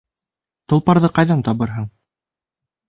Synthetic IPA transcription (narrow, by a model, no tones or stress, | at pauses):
t̪ɤ̆lˠpɑɾðɤqɑjðɑnt̪ɑβɤɾɦɤɴ